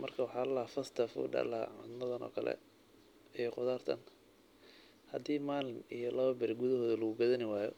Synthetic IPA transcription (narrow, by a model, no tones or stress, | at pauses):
mɐrkʰɐwɑħɑːlɐlaːfɐst̪ʰɐfṵːɖɐ̰laʕa̰nmɐðɐnɔ̰ːkʰɐlɛ̰ | ɛjɔqʊðaːrt̪ʰɐ̰n | hɐd̪iːmaːlɪnijɔlɐβɐbɪrɡʊðɐɦɔːðɐlɐɣʊɡɐðɐnɪwaːjɔ